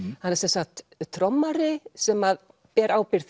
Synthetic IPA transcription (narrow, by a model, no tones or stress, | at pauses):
hanːɛɾsɛnsaxt̪t̪ʰɾɔmːaɾɪsɛmað | pɛːɾʔaːwpɪɾ̥θ